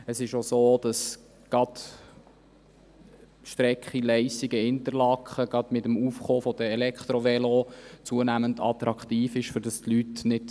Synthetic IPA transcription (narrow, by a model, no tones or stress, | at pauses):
əsɪʃosoːd̥ɑs | ɡ̥ɑd | ʃtɾɛkχilɛɪsiɡəɪnt̪əɾlɑkχəɡ̥ɑd̥̪mɪtəmufχoːfɔd̥̪əɛlɛkχt̪ɾovɛlot͡suənæmənd̪ɑ̰t̪ɾɑkχt̪iːfɪʃfɵɾd̥ɑstlytnɪt